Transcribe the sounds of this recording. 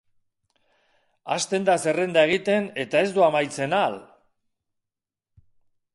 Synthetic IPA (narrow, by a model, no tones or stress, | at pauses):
a̰st̪e̞nd̪ase̞re̞nd̪ae̞ɣ̞it̪e̞ne̞t̪ae̞zd̪uamajt͡se̞nal